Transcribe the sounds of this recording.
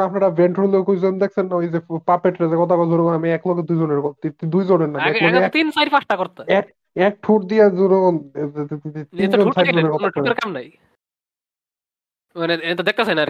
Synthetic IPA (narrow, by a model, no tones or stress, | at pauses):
apnaɾabʱeɳʈɾolekojd͡ʑond̪ek̚ʰsʰenːaojzepapeʈɾazekɔt̪ʰakɔd͡ʑoɾoɡonamiɛkloɡed̪ujd͡ʑoneɾkɔt̪it̪d̪ujd͡ʑoneɾnaɛlɔɡeɛt̪insajɾfaʃʈakoɾt̪aɛk̚ | ɛk̚ʈʰuɾd̪ijazuɾoon | t̪inonusaɾoneɾkɔtʰkʰɾkamnaj | maneeit̪od̪ek̚t̪esajnaaɾ